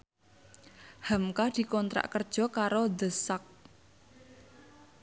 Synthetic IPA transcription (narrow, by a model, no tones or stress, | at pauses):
hamkad̪̥i̤kɔnt̪ɾa̰ʔkərd̥ʒ̥ɔ̤kaɾod̪ə̤sak̚